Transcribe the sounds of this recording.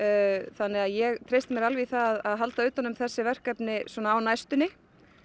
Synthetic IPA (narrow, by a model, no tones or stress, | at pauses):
θanːɪɣaðjɛɣt̪ʰɾejst̪ɪmjɛɾalviθaðaðaðɦalt̪aʏːt̪anʏmθɛsːɪvɛr̥kɛpnɪswɔːnaːwnajst̪ʏnɪ